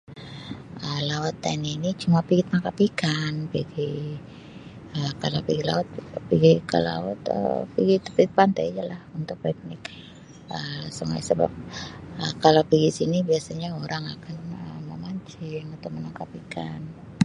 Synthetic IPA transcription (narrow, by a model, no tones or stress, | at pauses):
əlawat̪ːaninit͡ʃumapiɡɪt̪̚makapikanpiɡi | əkalo̰piɡila̰wat̪̚piɡikə̰la̰wa̰t̪ə̰piɡit̪u̥piɡɪt̪̚pant̪a̰jd͡ʒalahunt̪ʊk̚pɛk̚nɪk | ʔəsəŋa̰jsəba̰p̚əkalapiɡisinibiasaɲaoɾʔaŋakanəmə̰maɲt͡ʃɪŋut̪umənaŋkapikʰa̰n